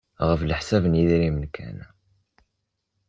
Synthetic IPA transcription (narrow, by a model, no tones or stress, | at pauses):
ʁəfləħsævənjiðiɾimənkʰæ̰n